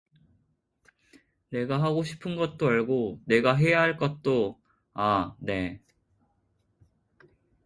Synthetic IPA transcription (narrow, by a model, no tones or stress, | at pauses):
ne̞ɡaɦaɡoɕʰi̥pʰɯnɡʌt̚t͈oaɭɡone̞ɡaɦe̞jaɦaɭk͈ʌt̚t͈o | ane̞